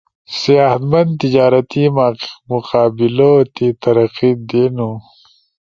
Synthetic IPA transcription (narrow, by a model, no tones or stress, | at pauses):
sijaːhɐt̪mɐnd̪t̪id͡ʑaːɾɐt̪imaːqqmuqaːbilot̪it̪ɐɾɐqid̪eːnu